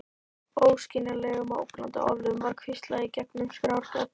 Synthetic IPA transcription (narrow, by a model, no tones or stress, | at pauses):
oːwscɪnalɛɣʏmao̰wklant̪a̰ʔɔ̰vlʏʏmvaɾkʰvɪst̪laicɛknʏmskɾawɾ̥t̪a